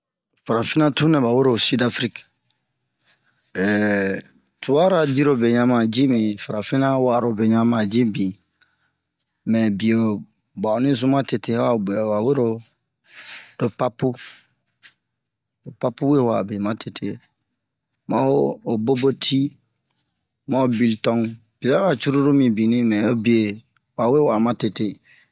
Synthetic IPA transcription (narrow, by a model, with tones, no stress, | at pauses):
fa˨ɾa˨fi˦nã˦tu˦nɛ̃˨ba˨we˦ɾo˨si˦da˨fɾi˦k | ɛ˨ | tʰu˨wa˦ɾa˦˨di˦ɾo˨be˨ɲã˨mã˨d͡ʒi˦mĩ˨fa˨ɾa˨fi˦nã˦wa˨ɾo˨be˨ɲã˦mã˨d͡ʒĩ˦bi˨ | mɛ̃˨bi˨o˨ | ba˨o˨nĩ˦zũ˦m˦ã˦te˨te˨˦a˦˨wa˨we˦ɾo˨˦ | d̥o˨pa˦pu˦ | do˨pa˦pu˦we˦˨wa̰˨bi˨mã˦tʰe˨tʰe˨ | mã˦oː˦˨bo˦bo˦tʰi˦ | mã˦o˨bi˨ltɔ̃˦ŋ | b̥i˨ɾa˦wa˦˨t͡ʃu˦ɾu˦ɾu˦mĩ˨bi˨nĩ˦mɛ̃˨o˦bi˨˦e˨ | wa˨we˦˨wa˨mã˦te˨te˦